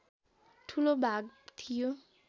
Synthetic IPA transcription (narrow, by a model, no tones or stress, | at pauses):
ʈʰulobʱaɡ̚t̪ʰijo